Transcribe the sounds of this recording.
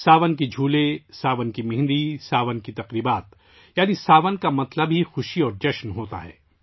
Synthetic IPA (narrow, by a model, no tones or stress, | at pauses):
saːʋənkid͡ʒʱuːlesaːʋənkimɪ̃ɦnd̪isaːʋənkit̪ɐqɾiːbaːt̪ | jaːnisaːʋənkamɐt̪ləbɦixʊʃiɔːɾd͡ʒɐʃnɦoːt̪a̰ɦɛ̰ː